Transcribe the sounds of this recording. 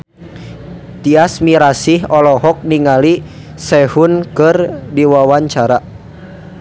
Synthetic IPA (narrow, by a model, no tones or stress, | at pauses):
t̪iasmiɾasihɔlɔɦɔk̚niŋali | sɛhʊnkɨrdiwawaɲt͡ʃaɾa